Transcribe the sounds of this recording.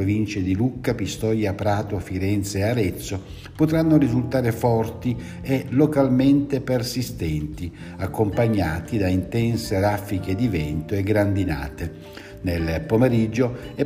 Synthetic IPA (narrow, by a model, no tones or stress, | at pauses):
ɾovint͡ʃed̪ilukːapist̪ɔjapɾaːt̪ofiɾɛnt̪seaɾɛt̪sːo | pot̪ɾanːoɾizult̪aːɾefɔrt̪i | elokalment̪epersist̪ɛnt̪i | akːompaɲːaːt̪id̪aint̪ɛnseɾafːik̟ed̪ivɛnt̪oeɡɾand̪ina̰ːt̪e | nelpomeɾid͡ʒːoɛ